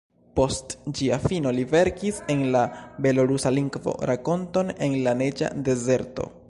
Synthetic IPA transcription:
po̞std͡ʒiafino̞live̞ɾkise̞nlabe̞loɾusaliŋɡvo̞̰ɾako̞nto̞ne̞nlane̞d͡ʒa̰de̞ze̞ɾto̞̰

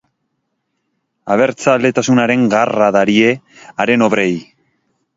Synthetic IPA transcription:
aβ̞e̞ɾt͡sald̪e̞t̪asunaɾe̞ŋɡaraðaɾie̞ | aɾe̞no̞βɾe̞j

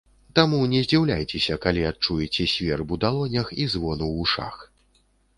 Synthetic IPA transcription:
t̪amunʲɛzʲd͡zʲiwlʲajt͡sʲɛsʲɐkalʲiat̪̚t͡ʂujɛt͡sʲɛsʲvʲɛrbud̪alˠɔnʲɐxizvɔnuwuʂa̰x

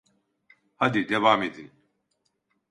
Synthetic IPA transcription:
hɐd̪id̪ɛβaːmid̪in

